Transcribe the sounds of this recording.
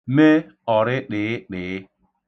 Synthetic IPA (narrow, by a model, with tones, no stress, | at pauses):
me˦ | ɔ˨ɾɪ˦ɗɪː˨˦ɗɪː˨ɪ˦